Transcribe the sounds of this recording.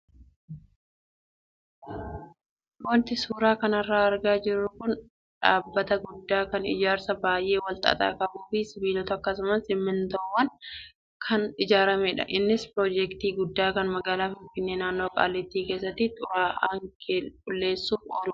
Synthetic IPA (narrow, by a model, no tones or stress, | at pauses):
wɔnt̪ɪsuːɾaːkɐnɐrːaːɐɾɡaːd͡ʒɪrːʊkʊn | ᶑaːbːɐt̪ɐɡʊd̪ːaːkɐnɪ̰d͡ʒaːɾsɐbaːjʔe̞ːwɐlt̪ʼɐ̰t̪ʼa̰ːkɐbuːfɪsɪbiːlɔt̪ɐɐkːɐsʊmɐsɪmːɪnt̪ɔwːɐn | kʰɐnɪd͡ʒaːɾɐmeːᶑɐ̰ʔɪnːɪspɾoːd͡ʒɛkt̪iːɡʊd̪ːaːkɐnmɐɡaːlaːfɪɱfɪnːe̞ːnaːnːo̞ːkʼa̰ːlːɛt̪ːiːke̞ːsːɐt̪ːɪt̪ʼʊɾaːʔaːŋkkʼʊlːe̞ːsːuːfoːlʊ